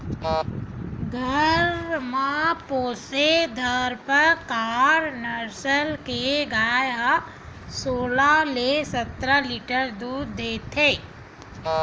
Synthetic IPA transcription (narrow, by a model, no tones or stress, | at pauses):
ɡʱəɾmãpoːsed̪ʱəɾpəɾkaːɾnəɾsəlkeɡaːja | soːlalesət̪ɾaliːʈəɾd̪uːɾd̪eːt̪ʰeː